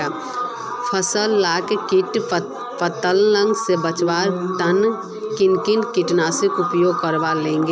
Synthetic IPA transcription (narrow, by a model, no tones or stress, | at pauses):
a | pʰəsəlːaːkekiʈ | pət̪əlːə̃ŋɡsebət͡ʃʋaːɾt̪ən | kɪnkinkiʈnaːsikʊpjoːɡ̚kəɾbalẽːŋɡe